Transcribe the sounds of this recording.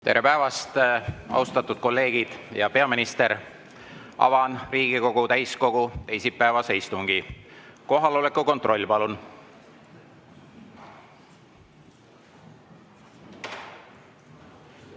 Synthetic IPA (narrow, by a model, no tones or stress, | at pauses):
t̪e̞̰ɾepæevɑst̪ɑ̰wst̪ɑt̪ːˑud̪̥ko̞lːe̞ːɡ̥id̪̥jɑpe̞ɑminist̪e̞ɾ | ɑ̰vɑnriːɡ̥iko̞ɡ̥ut̪æjsko̞ɡ̥ut̪e̞jsipːæːvɑse̞jst̪uŋɡ̥iko̞ɦɑlo̞le̞kːˑuko̞nt̪ro̞lʲːpɑlun